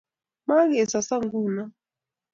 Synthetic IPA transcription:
ma˦ɣɛ˨sa˨sa˦ŋɡuː˦˨na˦

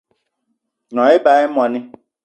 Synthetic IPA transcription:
nɔ̃˨˦ɪ˦ba˨ɪ˦mɔ˨nɪ̃˦

